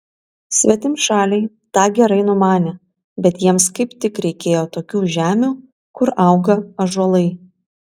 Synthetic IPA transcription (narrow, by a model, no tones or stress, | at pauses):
sʲʋʲɛt̪ʲɪmʃɑːlʲɛɪ | t̪ɑːɡʲɛɾɐɪnʊmɑːnʲeː | bʲɛt̪jiɛmskɐɪpt̪ʲɪkɾʲɛɪkʲeːjoːt̪oːkʲuːʒʲæːmʲuː | kʊɾʔɐˑʊɡɐɐʒɔlˠɐɪ